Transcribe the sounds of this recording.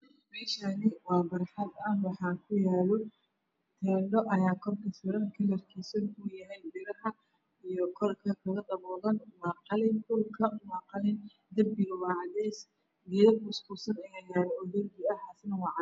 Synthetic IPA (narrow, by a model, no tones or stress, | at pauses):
mɛːʃɐnɪwɑːbɐɾħɐd̪ɐnwɑħɑːkʰʊjaːlɔ | t̪ʰɛːɳɖɔʔɐjaːkʰɔrkʰɐsɪɾɐnkʰɐlɐrkʰiːsɐnujɐɦɛjdɪɾɐɦɐ | ijɔkʰɔrkʰɐkʰɐɣɐd̪ɐβɔːðɐnmɑːqɑlɪnkʰʊlkʰɐʊmɑːqɑlɪn | d̪ɐmbɪɣɐwɑːʕɑdɛs | ijɐbʊskusɐnɛɣɐjaːɾɔɔd̪ɐbɪɐhasnwɑːʕɑ